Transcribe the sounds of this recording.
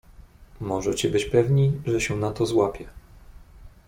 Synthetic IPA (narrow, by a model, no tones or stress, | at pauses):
mɔʐɛt͡ɕibɘt͡ɕpɛvɲiʐɛɕɛnat̪ɔzwapʲjɛ